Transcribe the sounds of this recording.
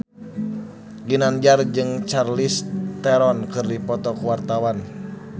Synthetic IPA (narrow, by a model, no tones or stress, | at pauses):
ɡinand͡ʒard͡ʒɨŋt͡ʃarlist̪ɛɾɔnkɨrdipɔt̪ɔkuwart̪awan